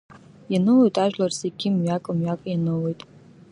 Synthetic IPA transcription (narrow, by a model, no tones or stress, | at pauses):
janɨlejtʼaʒᶣlarseɡʲimɥakʼɨmɥakʼjanɨwejtʼ